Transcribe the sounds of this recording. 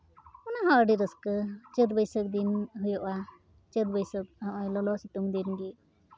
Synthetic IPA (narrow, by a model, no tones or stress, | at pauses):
ɔnaɦaɖiɾəskət͡ʃət̪̚bəjsək̚d̪inɦujɔʔa | t͡ʃət̪̚bəjsək̚ʔɔjlɔlɔsiʈuŋd̪inɡi